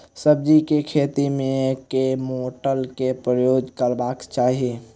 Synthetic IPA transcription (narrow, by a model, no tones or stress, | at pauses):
səb̚d͡ʒikekʰeːt̪imẽkemoːʈəlkepɾəjoːd͡ʒkəɾbaːkt͡ʃaːɦie